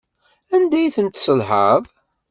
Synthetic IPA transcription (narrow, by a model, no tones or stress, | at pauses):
ænd̪æjθənt̪səlhɑðˤ